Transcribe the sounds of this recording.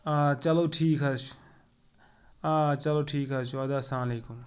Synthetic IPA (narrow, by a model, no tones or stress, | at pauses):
at͡ʃɐloːʈʰiːkɦɐt͡ʃʰu̥ | aːt͡ʃɐloʈʰiːkɦɐt͡ʃʰuɐd̪aːsãːmleːkum